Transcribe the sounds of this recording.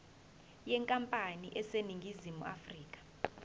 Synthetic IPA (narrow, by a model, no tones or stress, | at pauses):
jɛŋkʼampʼaniʔɛseniŋɡʱizimṵa̰friːkʼḁ